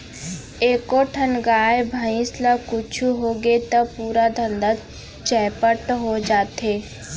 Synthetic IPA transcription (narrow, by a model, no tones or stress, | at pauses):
eːkoʈʰənɡaːjbʱəĩslakʊt͡ʃʰuɦoɡet̪əpuːɾad̪ʱə̃nd̪a | t͡ʃɛːpəʈɦod͡ʒaːt̪eː